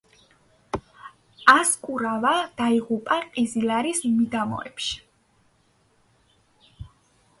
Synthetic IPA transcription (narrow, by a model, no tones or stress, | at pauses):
askʼuɾavad̪̥aiʁupʼaqʼizilaɾismid̪amɔ̰ɛ̰pʃi̥